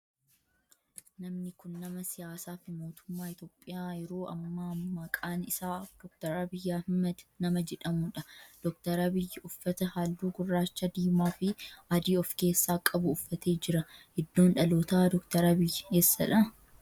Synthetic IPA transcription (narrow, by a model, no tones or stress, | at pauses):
nɐmnɪkʊnːɐmɐsɪjaːsaːfɪmo̞ːt̪ʊ̥mːaːɪt̪oːpʼːɪjaːjɪɾo̞ːʔɐmːaːmɐkʼaːnɪsaːfd̪̥ɔk̚t̪ɐɾaːbɪjːaːhɪmːɐd̪nɐmɐd͡ʒɛᶑɐmʊᶑɐd̪̥ɔk̚t̪ɐɾaːbɪjːɪʊfːɐt̪ɐhaːlːuːɡʊrːaːt͡ʃːɐd̪iːmaːfɪʔɐd̪iːɔfke̞ːsːaːkʼɐbʊːfːɐt̪ʰe̞ːd͡ʒɪɾɐhɪd̪ːo̞ːnᶑɐloːt̪aːd̪ɔkt̪ɐɾɐbɪjːɪeːsːɐᶑɐ